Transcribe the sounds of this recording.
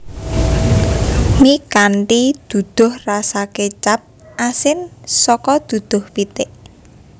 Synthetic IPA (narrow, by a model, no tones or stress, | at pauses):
mikanʈid̪̥ṳd̪̥ʊ̤hrasaket͡ʃap̚ | ʔasɪnsɔkɔd̪̥ṳd̪̥ʊ̤hpit̪ɪʔ